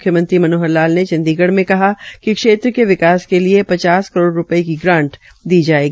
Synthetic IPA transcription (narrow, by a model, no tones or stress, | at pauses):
ʊkʰjəmə̃nt̪ɾimɐnoːɦəɾlaːlnet͡ʃɐ̃nd̪iːɡəɽmẽkɐɦakikʃeːt̪ɾəkeʋɪkaːskeliepɐt͡ʃaːskɐɾoːɽɾʊpəekiɡɾãːɳʈ | d̪iːd͡ʒaːeːɡiː